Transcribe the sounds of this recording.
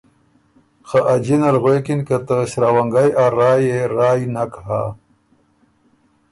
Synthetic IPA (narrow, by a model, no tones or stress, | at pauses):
xaʔad͡ʑinalɣwekinkat̪əɕɾawaŋɡajʔaɾaːjeɾaːjinakɦa̰